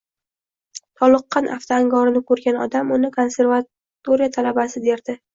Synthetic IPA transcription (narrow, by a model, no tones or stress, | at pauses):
t̪ʰɒlˠɨqːɑnʔa̰ft̪ʰaaŋɡɒɾɪnɪkʰɵɾɡʲanɒd̪amʊnɪkʰo̞nse̞ɾva | t̪oɾijat̪ʰalabasɪd̪e̞ɾd̪ɪ